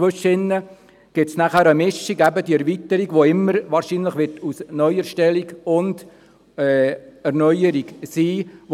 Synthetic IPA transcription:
ʋøʃɪnːə | ɡ̥ɪtsnæχæːɾəmɪʃːiɡæbəd̪iɛɾʋit̪əɾiɡʋoɪmːəɾʋɑːɾʃinləχʋɪrtusnœʏəɾʃtɛliɡʊnd | ɛːɛɾnœʏəɾiɡsiːʋ

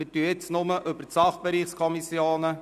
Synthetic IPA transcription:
ət̪yjɪt͡snʊməʔʏbəɾtsɑχb̥eɾiːχskʰɔmisjoːnə

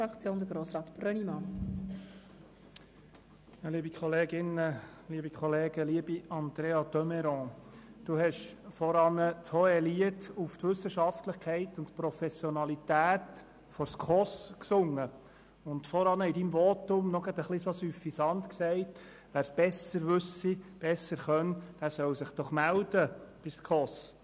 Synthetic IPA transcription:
ɑkt͡sjoːnd̪əɡɾoːsɾɑːt̪b̥ɾœnimɑ | jɑːliəbikχɔleːɡɪnəliəbikχɔleːɡəliːəbiɑnd̪̥ɾeːɑt̪œmɛɾɔ̃ːd̥uɦɛʃfɔɾɑnəthɔɛliətuftʋʏsːəʃɑftləχkʰɛɪtʊntpɾɔfɛsjɔnɑlitæːt̪ | fɔɾskʰɔsksʊŋːə | ʊntfɔɾɑnəidimvɔːtʊmnɔɡ̥ɑd̪əχlisosyfisɑnt̪ksɛɪt | ʋæːɾsb̥ɛsəɾʋʉsib̥ɛsəɾχœnd̥æːsœwsɪχd̥ɔχmæld̥̪əb̥iskʰɔs

